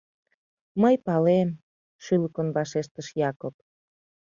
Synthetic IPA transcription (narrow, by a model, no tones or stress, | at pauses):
məjpɑlem | ʃyləkənβɑʃeʃt̪əʃjɑkop̚